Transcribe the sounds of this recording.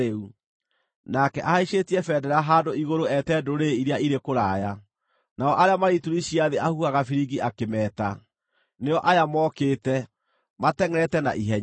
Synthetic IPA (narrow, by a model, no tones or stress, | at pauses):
eu | nakɛʔahaiɕetiɛfɛdɛɾaɦadoiɣoɾoɛtɛːdoɾeiɾeaiɾekoɾaːja | naɔʔaɾeamaɾituɾiɕiaðeʔahuaɣafiɾiɡiʔakemɛːta | neɔʔajamɔkeːtɛ | matɛŋɛɾɛtɛna̰ʔiɦɛɲ